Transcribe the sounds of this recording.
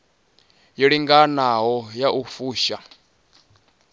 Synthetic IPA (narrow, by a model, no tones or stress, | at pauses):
jiɺiŋɡanaɦɔjaʔufuːʃa